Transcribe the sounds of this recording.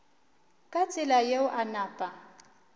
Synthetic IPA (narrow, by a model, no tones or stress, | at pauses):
kʼat͡sʼɪlajeʊʔanaːpʼa